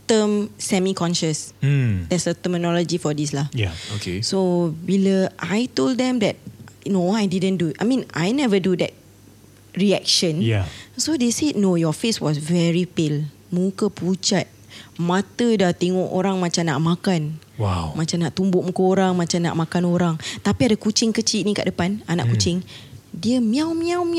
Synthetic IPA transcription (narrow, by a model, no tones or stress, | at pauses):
t̪əmsɛmikɔ̃nʃəsd̥ɛtsət̪əmənɔlod͡ʒifɔdislahjaokesobiləʔajtolddɛ̃mdɛt̚noajdidə̃nduʔajmĩna̰jnɛvədudɛ̰t̚ | ɹiɛk̚ʃə̃njjasodesed̚nojɔfeswɔsvɛɹipɪl | mũkəput͡ʃat̪̚mãt̪ədat̪eŋɔʔoɾaŋmãt͡ʃamna̰ʔmãkanwamãt͡ʃamnaʔt̪umbʊʔmukəoɾaŋmãt͡ʃamna̰ʔmakanoɾaŋt̪apiadəkut͡ʃɪŋkət͡ʃilnĩkaʔdəpanana̰ʔkut͡ʃɪŋdiəmĩawmĩawm